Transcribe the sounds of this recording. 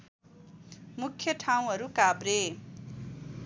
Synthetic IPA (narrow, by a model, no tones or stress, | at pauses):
mukʰːjʌʈʰaw̃ɦʌɾukabre